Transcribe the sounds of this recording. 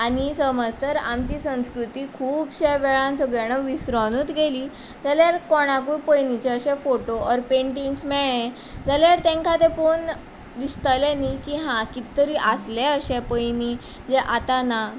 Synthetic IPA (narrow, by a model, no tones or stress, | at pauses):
aɽ̃isəməd͡zt̪əɾamt͡ɕiːsə̃w̃skɾut̪ikʰuːbɕɛʋɛɭãnsəɡɭjañəʋisɾɔnut̪ɡeliː | d͡zaljaɾkɔɽ̃ak̬uːpəjnit͡ɕɛəɕɛ̃foʈoɔɾpẽɳʈiŋɡsmɛɭẽ | d͡zaljaɾt̪ɛ̃ŋkʰat̪epon | d̪ist̪alɛnikiɦãkit̪ːəɾiːʔaslɛəɕɛ̃pəjni | d͡ʑɛʔat̪ana